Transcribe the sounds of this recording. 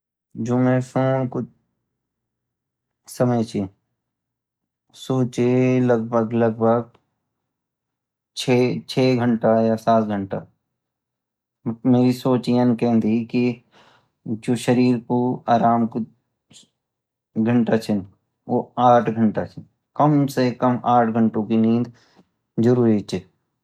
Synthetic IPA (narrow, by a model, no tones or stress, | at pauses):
d͡ʒoːmẽpʰoːnkʊ | səməjt͡ʃʰe | soːt͡ʃeləɡ̚bʱəɡləɡbʱəɡ̚ | t͡ʃʰet͡ʃʰeːɡʱə̃ɳʈajasaːt̪ɡʱə̃ɳʈa | meːɾisoːt͡ʃijənkɛ̃ɦnd̪iki | d͡ʒoːʃəɾiːɾkoaːɾaːmko | ɡʱəɳʈat͡ʃʰɪn | oːaːʈʰɡʱə̃ɳʈat͡ʃʰɪn | kəmsekəmaːʈʰɡʱə̃ɳʈõkinĩːd̪ | d͡ʒəɾuːɾit͡ʃʰeː